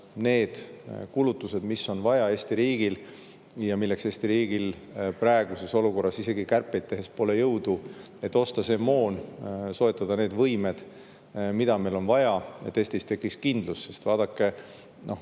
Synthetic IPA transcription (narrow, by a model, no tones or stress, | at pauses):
ne̞ːd̪̥kulut̪ːˑuse̞d̪misːo̞nvɑjɑe̞ːsʲt̪iɾiːɡil | jɑmilːe̞kse̞ːst̪iɾiːɡilprɑeɡ̥use̞so̞luko̞rːɑsise̞ɡikærpːˑe̞jd̪t̪ːe̞ɦe̞spo̞ːle̞jɤwd̪̥u | e̞t̪ːˑo̞st̪ɑse̞ːmo̞ːnso̞et̪ːˑɑd̪ɑne̞ːd̪vɤjme̞d̪̥ | mid̪ɑmejlo̞nvɑjɑḛt̪ːe̞ːst̪ist̪e̞kːˑiskind̪lusːe̞st̪vɑːd̪̥ɑkːe̞ | nʔo̞